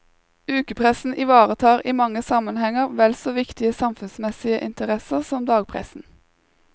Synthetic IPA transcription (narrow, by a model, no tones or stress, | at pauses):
ʉːkəpʰʁɛsn̩ʔɪʋɑːʁət̪ʰɑːʁiːmɑŋəsɑmənhɛŋəʁʋɛlsoːʋɪkt̪ɪəsɑmfʉnsmɛsɪəʔɪnt̪əʁɛsəʁsɔmd̪ɑːɡ̚pʰʁɛ̰sn̩